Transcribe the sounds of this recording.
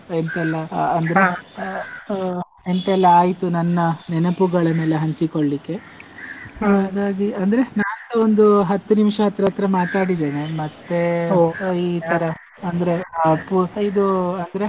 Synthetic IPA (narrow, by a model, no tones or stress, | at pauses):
ent̪ɛlːɐɐnd̪ɐɾe | ent̪ɐɛlːɐaːjit̪unɐnːɐnɛnɐpuɡɐɭɐmeːleɦɐɲt͡ʃikoɭːikːe̞ | aːd̪aːɡiɐnd̪ɐɾe̞naːond̪uɦɐt̪ːunimʂɐɐt̪ɾɐːt̪ɾɐmaːt̪aːɽid̪e̞ːne̞mɐt̪ːe̞ | iːt̪ʰɐɾɐ | ɐnd̪ɐɾe̞pːuid̪uɐnd̪ɐɾe